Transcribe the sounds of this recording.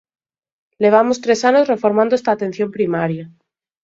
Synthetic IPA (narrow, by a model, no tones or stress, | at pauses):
le̞β̞amost̪ɾe̞sanozre̞fo̞ɾmãnd̪oest̪aːt̪ẽ̞n̟θjo̞mpɾimaɾja